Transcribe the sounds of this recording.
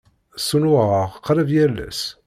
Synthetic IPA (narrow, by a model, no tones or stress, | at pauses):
sunʊʁəʁqːɾəvjælːæ̰s